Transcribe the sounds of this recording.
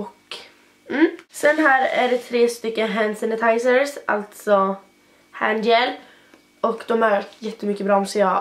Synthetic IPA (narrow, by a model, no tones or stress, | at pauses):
ɔk | m̩ːsɛnːɦæːɾæ̰ɖɛt̪ʰɾeːst̪ʏkːənɦænsɪnət̪ʰajsəɾsʔa̰lt̪sɔ | hænd̪jɛl | ʔɔkd̪ɔmæɾjɛt̪ːəmʏkːəbɾɑːɔmsejɑ